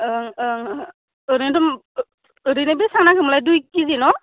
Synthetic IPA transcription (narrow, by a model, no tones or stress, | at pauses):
ɾindɔm | ɾinebisaŋnakʰɯmlajdujkizinɔ